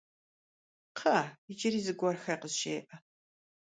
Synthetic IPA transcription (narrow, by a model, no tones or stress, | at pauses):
qʰɐɪd͡ʒɪɾiːzɨɡʷɔrxɐjqəzʃeːʔɐ